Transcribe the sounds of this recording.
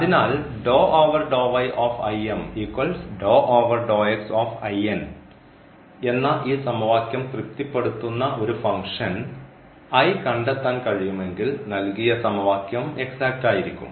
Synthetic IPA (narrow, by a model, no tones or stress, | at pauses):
ɐðinaːlɖoːʔoːʋɐrɖoːʋɐjʔoːfɐjemhiːkːoːlsɖoːʔoːʋɐrɖo̞ːeksoːfɐjen | e̞nːɐʔiːsɐmɐʋaːkjɐmkrɨt̪ːipːe̞ɽut̪ːunːɐʔo̞ɾufɐŋkʂɐn | ɐjkɐɳɖet̪ːaːnkɐɻijume̞ŋɡilnɐlkijɐsɐmɐʋaːkjɐme̞ksaːk̚ʈaːjiɾikʲːṵm